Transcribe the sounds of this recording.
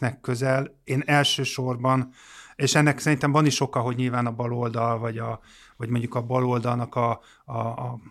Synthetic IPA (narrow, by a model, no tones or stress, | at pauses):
nɛkːøzɛleːnɛlʃøːʃo̞rbɒneːʃɛnːɛksɛɾint̪ɛmvɒniʃo̞kɒɦo̞ɟɲilvaːnɒbɒlo̞ld̪ɒlvɒɟɒ | vɒɟmo̞ɲɟukɒbɒlo̞ld̪ɒlnɒkɒː